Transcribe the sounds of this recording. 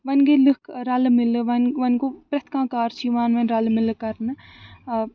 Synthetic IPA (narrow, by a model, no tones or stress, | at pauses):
ʋɐnɡelɨkʰɾɐlmɪlʋɐnʋɐnɡoːpɾɐt̪ʰkãːkaːɾt͡ʃʰiʋaːnʋɐnɾɐlmɪlkɐɾnɨ